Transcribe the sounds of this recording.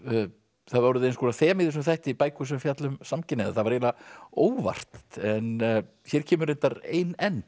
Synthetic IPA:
θaðvaːwɾʏðɪejnskɔːɾaθɛːmɪːðɪs̬ʏmθaht̪ipaːjkʏsɛmfjat̪lʏmsamcɪnɛðaθaðvaɾjɛːlaoːwva̰r̥t̪t̪ɛn | θjɛɾ̥cʰɛːmʏɾejnt̪aɾḛjnɛn

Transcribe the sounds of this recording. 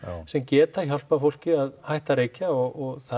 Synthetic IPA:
sɛmcɛːt̪açɔl̥pafowl̥cɪaðhajht̪aɾeːjcaɔɣɔɣθa

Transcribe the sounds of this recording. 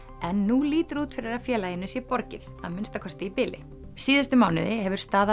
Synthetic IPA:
ɛnːuliːt̪ʏɾuːt̪fɪɾɪɾḁfjɛːlajɪnːʏsjɛpɔɾcɪ̰θha̰ðmɪnst̪akʰɔst̪ɪipɪːlɪ̰ | siːðʏst̪ʏmaːwnɪ̰ðɪhɛvʏɾ̥st̪aːða

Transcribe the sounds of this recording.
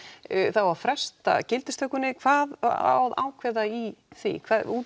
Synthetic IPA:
θawvafɾɛst̪a̰cɪlt̪ɪst̪œhkːʏnɪkʰv̥aːðawða̰ːwkʰvɛðaiθḭkʰvaːðuː

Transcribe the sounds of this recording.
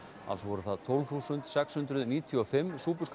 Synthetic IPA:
a̰vsvɔɾʏθaðt̪ʰolvθuːsʏnt̪sɛkshʏnt̪ɾʏðniːt̪ʰjʏɔfɪmːsuːpʏɾ̥sk

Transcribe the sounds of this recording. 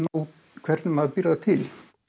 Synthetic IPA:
naw | kʰvɛɾt̪nmaðpɪɾðat̪ʰɪl

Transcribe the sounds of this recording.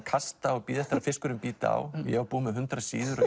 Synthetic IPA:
kʰast̪aɔɣpiːðɛht̪aɾafɪskʏɾʏmpiːt̪a̰wjɛ̰apuːmɪɦʏnt̪ɾasiːðʏɾ

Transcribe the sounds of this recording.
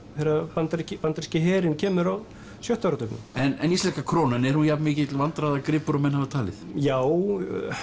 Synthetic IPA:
θɛɾapant̪ɛɾcɪpant̪ɾ̥scɪɦɛːɾɪncʰɛːmʏɾa | sjœht̪awɾʏt̪œpnʏmɛnɛnist̪lɛhkakʰɾoːwnanɛɾhunjap̪mɪːcɪɪt̪lvant̪ɾaðakɾɪːpʏɾɔmɛnhavat̪ʰaːlɪθjaːw

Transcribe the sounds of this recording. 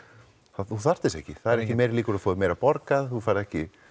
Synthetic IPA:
θaθuθar̥t̪ɪstɛhcɪθaðɛɾɛcɪmejɾliːkʏɾaðfɔːðɪmejɾapɔɾkaðθufaːjɾɪðɛhcɪ

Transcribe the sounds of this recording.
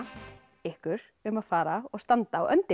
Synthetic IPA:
ɪhkʏɾ̥ | ʏmaðfaːɾaɔɣst̪ant̪aːwʔœ̰nt̪ɪ

